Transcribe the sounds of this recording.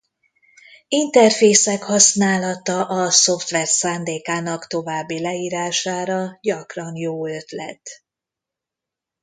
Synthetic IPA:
int̪ɛrfeːsɛkhɒsnaːlɒt̪ɒʔɒso̞ft̪ʋɛrsaːnd̪eːkaːnɒkt̪o̞vaːbːilɛiːɾaːʃaːɾɒɟɒkrɒnjoːøt̪lɛ̰t̪

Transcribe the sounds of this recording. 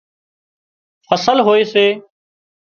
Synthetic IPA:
fʰəsəlɦoːeːseː

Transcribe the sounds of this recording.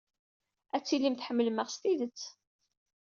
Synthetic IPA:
æt͡sːilːimθħəmːəlməʁst̪iðət͡sː

